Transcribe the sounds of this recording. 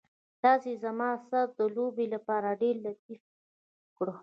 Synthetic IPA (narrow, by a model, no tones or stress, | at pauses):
t̪ɑzezamɑsaɾ̚d̪əlobelapɑɾaɖeɾlat̪̚if | kɽo